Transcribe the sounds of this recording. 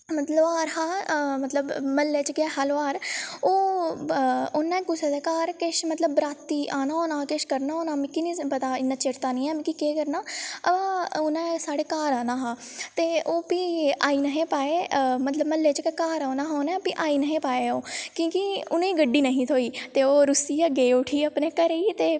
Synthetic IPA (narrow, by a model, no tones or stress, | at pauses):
mət̪ləbaːɾɦaːmət̪ləbməlːeːt͡ʃkɪɛːɦəlːaːɾoː | ʊnːɛ̃ːɡʊseːd̪eːkaːɾkɪʃmət̪ləbːɾaːt̪ːiːʔaːnaːoːnaːkeʃkəɾnaːoːnaːmɪ̃kinĩːpət̪aːɪnːãːt͡ʃɪɾt̪aːnĩːɛːmĩkikeːkəɾnaːəbaːʊnɛ̃ːsaːɽeːkaːɾaːnaːɦaːt̪eːoːpiːaːiːnəɦẽːpaːeːmət̪ləbməlːeːt͡ʃkɛːkaːɾoːnãːɦaonɛ̃ːpiːʔaːiːnəɦẽːpaːeːoːkjõːkiʊnẽːiːɡəɖːiːnəɦĩːt̪ʰoːiːt̪eːoːɾʊsiːaːɡeːʊʈʰiːəpnẽːkəɾeiːt̪eː